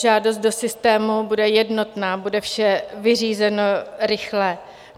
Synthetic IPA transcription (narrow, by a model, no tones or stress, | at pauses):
ʒaːdos̬t̪̚do̞sɪst̪ɛːmubudɛjɛdno̞t̪naːbudɛfʃɛvɪriːzɛnoɾɪxlɛ